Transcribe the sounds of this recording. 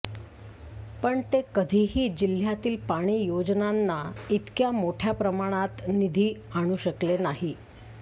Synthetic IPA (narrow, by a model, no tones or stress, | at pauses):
pəɳt̪ekəd̪ʱiːɦiːd͡ʑil̤ːjat̪iːlpaɽ̃iːjod͡znanːait̪kjamoʈʰjapɾəmaɽ̃at̪nid̪ʱiːaɽ̃uːɕəklenaɦi